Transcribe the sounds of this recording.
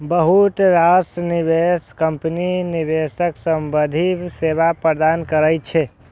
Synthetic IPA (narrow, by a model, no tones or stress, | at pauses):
bəɦut̪ɾasʈnibeskəmpninibesəksəmbəd̪ʱisebapəɾd̪ankəɾəjt͡ʃʰɛ